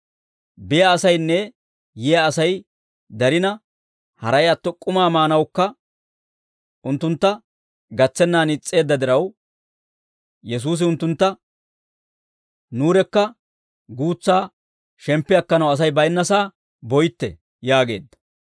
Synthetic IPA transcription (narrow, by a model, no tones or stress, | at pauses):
bɪjɐːsɐjnːɛ | jɛjɐːsɐj | d̪ɐɾɪnɐ | hɐ̰ɾɐjɐt̪ːɔkʼʊmaːmaːnɐwkːɐ | ʊnt̪ːʊnt̪ːɐ | ɡɐt͡sːɛnːaːnɪt͡sʼːe̞ːd̪ːɐd̪ɪɾɐw | jɛs̬uːs̬ɪʊnt̪ːʊnt̪ːɐ | nuːɾɛkːɐ | ɡuːt͡sːaː | ʃɛmpːɪɐkːɐnɐwɐs̬ɐjbɐjnːɐsaː | bɔjt̪ːɛ̰ | jaːɡeːd̪ːɐ̥